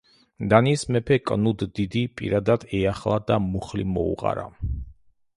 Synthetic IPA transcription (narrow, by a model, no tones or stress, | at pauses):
d̪anismɛpʰɛkʼnud̪ːid̪ipʼḭɾad̪ad̪ɛaχlˠad̪amuχlḭmɔ̰ṵʁʼa̰ɾa̰